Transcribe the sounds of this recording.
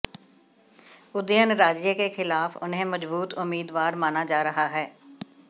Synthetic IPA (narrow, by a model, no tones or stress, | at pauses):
ʊd̪ɪənɾaːd͡ʒjəkeːkʰɪlaːfʰʊ̰nɦẽːməd͡ʒbuːt̪ʊmːiːd̪ʋaːɾmaːnaːd͡ʒaːɾəɦaːɦɛː